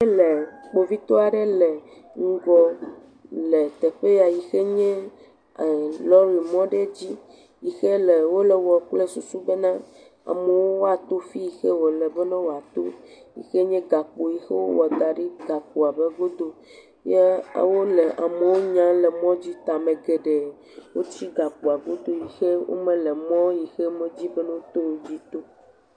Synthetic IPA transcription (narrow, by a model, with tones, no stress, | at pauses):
le˨k͡po˨vi˦t̪o˦a˨ɖe˦lɛ˨ | ŋ̩˦ɡɔ˦ | le˨t̪ɛ˨ɸe˦ja˨ji˨xɛ˦ɲɛ̃˦˨ | lɔ˦ɾi˨mɔ̃˦ɖe˦d͡ʑi˦ | ji˨xe˦le˨wo˦lɛ˨wɔ˨k͡plɛ˦su˨su˦be˦nã˦ | a̰˨me˨wo˦wo˦a˨t̪o˦fi˦ji˨xɛ˦wo˨lɛ˨bɛ˦nã˦wo˨a˨t̪o˦ | jḭ˨xe˦ɲɛ̃˦ɡa˨k͡po˨ji˨xe˦wo̰˦wɔ˨d̪a˨ɖi˦ɡa˨k͡po˨a˨bɛ˦ɡo˦d̪o˦ | je˦a̰˨wo˦le˨ʔa˨me˨wo˦ɲã˦lɛ˨mɔ̃˦d͡ʑi˦t̪a˨mɛ̃˨ɡɛ˨ɖe˨ | wo˦t͡ɕi˦ɡa˨k͡pu˨a˨ɡo˦d̪o˦ji˨xe˦wo̰˦mɛ̃˨lɛ˨mɔ̃˦ji˨xɛ˦mɛ̃˦d͡ʑi˦bɛ˦nɛ̃˦o˦t̪o˦wo˦d͡ʑi˦t̪o˦